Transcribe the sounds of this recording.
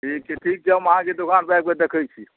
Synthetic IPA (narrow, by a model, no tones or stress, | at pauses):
ikiʈʰik̚d͡ʒəməɦãked̪ukʰanbajk̚med̪ekʰəjt͡ʃʰi